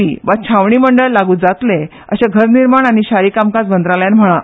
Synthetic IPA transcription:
iːʋat͡ɕʰaʋɳiːməɳɖəɭlaɡuːd͡zat̪le | ə̰ɕeɡʱəɾniɾmaɳaɽ̃iɕaɾiːkamkasbənd̪ɾaljanm̤əɭa

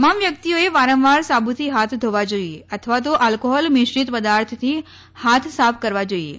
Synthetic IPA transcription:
t̪əmamʋjəkt̪ijoeʋaɾə̃mʋaɾsabʱut̪ʰiɦat̪ʰd̪ʱoʋad͡ʒoieət̪ʰəʋat̪̬oʔalkoɦɔlmɪʃɾit̪pəd̪aɾt̪ʰt̪ʰi | hat̪ʰsapʰkəɾʋad͡ʒoiḛ

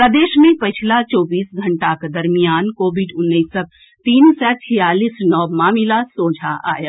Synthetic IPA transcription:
pɾəd̪eːʃmẽpət͡ʃʰlat͡ʃɔːbiːsɡʱəɳʈaked̪əɾmijaːnkoːbiɖʊnːəːsək̚ | t̪iːnsɛt͡ʃʰijaːliːsnɔːmaːmilasoːd͡ʒʱaʔa̰ːjə

